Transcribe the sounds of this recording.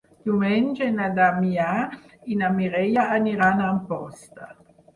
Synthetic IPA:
t̪umɛnd͡ʒenad̪amiainamiɾɛjaːniɾanaːmpɔst̪a̰

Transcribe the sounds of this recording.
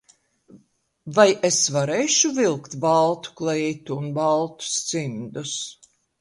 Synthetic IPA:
vajesvaɾɛjʃuvilˠkt̪balˠt̪u̥klˠɛjt̪uːnbalˠt̪u̥st̪sind̪us

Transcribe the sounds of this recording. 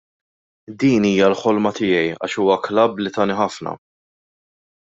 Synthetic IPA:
d̪iːniːjɐlħɔlmɐt̪ɪːjɛjɐ̰ːʃuːwɐklɐbːlɪt̪ɐːniħɐfnɐ̰

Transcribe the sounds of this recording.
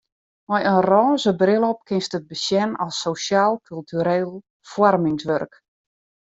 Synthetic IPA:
mɛjənrɔːnzəbrɪlˠɔp̚kɪnstət̚bəsjɛnɔlˠsːowsjaːlˠkʰylˠtʰyɾeːlˠ | fwɔrmɪŋsʋørk

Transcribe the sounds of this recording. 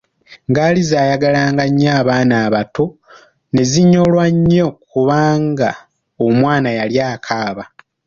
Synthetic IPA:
ŋɡaːlizaːjaɡalaːŋɡaɲːaːβaːnaːβato̞ | ne̞ziɲːo̞lwaɲːo̞kuβaːŋɡa | omwaːnajaljaːkʰaːβa

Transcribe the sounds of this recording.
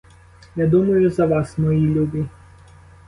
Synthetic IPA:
jad̪umɐjʊzɐʋɑsmɔjilʲubʲi

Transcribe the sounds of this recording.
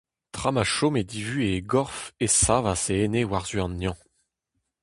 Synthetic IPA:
t̪χamaʃomed̪ivyeɡɔʁfesavaseenewaʁzyɑ̃njɑ̃

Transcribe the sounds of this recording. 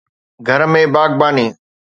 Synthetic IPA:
ɡʱɐɾmẽbaːɡ̚baːniː

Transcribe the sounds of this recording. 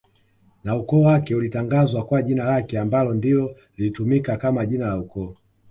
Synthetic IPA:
naukɔːwakɛulitaŋɡazwakwaʄinalakɛambalɔndilɔ | lilitumikakamaʄinalaukɔː

